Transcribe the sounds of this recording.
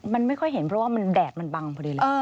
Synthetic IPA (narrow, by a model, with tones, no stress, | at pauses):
ma˧nma˥˩jkʰɔ˥˩jɦe˩˦npʰɾɔ˦˥waː˥˩ma˧ndɛː˨˩t̪̚ma˧nba˧ŋpʰɔː˧˩di˧˩˨əː˧